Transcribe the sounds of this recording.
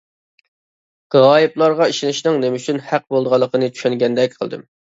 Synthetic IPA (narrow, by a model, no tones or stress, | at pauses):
ɡ̥ʁɑːjiplˠɑɾʁɑiʃinɪʃnɨŋnemyt͡ʃʰynhæq̚bolˠd̪əʁɑlˠːəqʰənɨt͡ʃʰy̥ʃɛŋɡʲɛnd̪ɛk̚ʲqʰəlˠd̪ɨ̰m